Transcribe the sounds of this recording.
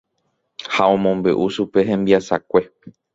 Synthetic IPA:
haõ̞mõmbe̞̰ʔuʃupe̞ɦẽ̞mbiasakʷe̞

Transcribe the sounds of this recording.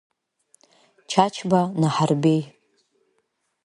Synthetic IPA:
t͡ʃʰat͡ʃʰbanaħarbej

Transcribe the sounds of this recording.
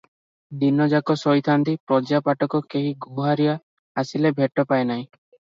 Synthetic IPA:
d̪inɔd͡ʒakɔsɔjt̪ʰant̪ipɾɔd͡ʒapaʈɔkɔkeɦiɡʱuɦaɾijaː | silebʱeʈːɔpaenaɦĩ

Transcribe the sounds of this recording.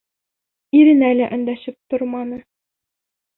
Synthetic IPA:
iɾɘ̆nælæʔɵ̆nd̪æɕɘp̚t̪oɾmɑnɤ

